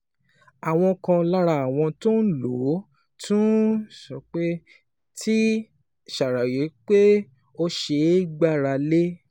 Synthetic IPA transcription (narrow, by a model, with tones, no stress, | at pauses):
a˨w̃ɔ̃˧kã˧la˦ɾa˧˨a˨w̃ɔ̃˧to˦n̩˦lo˨˦ | tũ˦ʃɔ˧k͡pe˦ | tʰi˦ | ʃa˨ɾa˨je˨˦k͡pe˦ | o˦ʃe˧i˦ɡ͡ba˦˨ɾa˧le˦